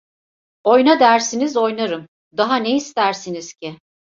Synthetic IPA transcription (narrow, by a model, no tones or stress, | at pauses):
o̞jnad̪æɾsinizo̞jnaɾɯm | d̪aɦaneist̪æɾsiniz̥cʰɪ